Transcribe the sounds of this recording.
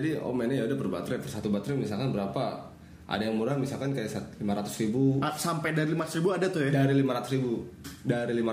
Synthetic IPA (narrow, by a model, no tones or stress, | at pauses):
dio̰mɛnajaudapərbat̪ɾjpərsat̪ubat̪ɾɛmisalkanbəɾapa | ʔa̰dajaŋmuɾaŋmisalkankajasat̪limaɾat̪ʊ̥sribusampɛjdaɾilimaɾat̪ʊsribuadat̪ʊjadaɾilimaɾat̪usɾibudaɾilima